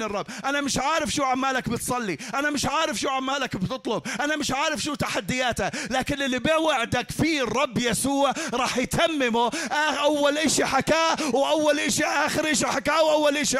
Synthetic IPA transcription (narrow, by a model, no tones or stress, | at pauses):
nɨrˤːɑbːʔanamɪʃʕaːɾɪfʃuːʕamːaːlakbɪt̪sˤɑlːiʔanamɪʃʕaːɾɪfʃuːʕamːaːlakbt̪ɨt̪ˤlʊb̚ʔanamɪʃʕaːɾɪfʃuːt̪aħad̪ːɪjaːt̪alaːkɪnʔɪlːibɪwɪʕd̪akfiːrˤːɑbːjasuːʕɾˤɑːħjt̪ʰamːɪmʊʔaʔawːalʔɪʃiħakaːwʔawːalʔɪʃiʔaːxɪɾʔɪʃiħakaːwʔawːalʔɪʃ